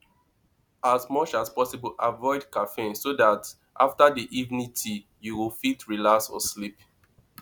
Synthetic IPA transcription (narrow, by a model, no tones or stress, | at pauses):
azmɔt͡ʃaspɔsibəlʔavɔɪdkafensodat | ʔaftadiʔivnitʰi | juwilfitɹilaksɔ̰slip